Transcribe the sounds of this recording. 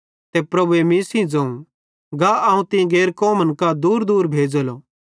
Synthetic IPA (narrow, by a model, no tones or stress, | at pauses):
t̪epɾɐbuemĩsĩd͡zɐ̃ːũ | ɡaɐːũt̪ɪ̃ɡeːɾkɔːmə̃nkad̪uːɾd̪uːɾbʱeːd͡ʒəloː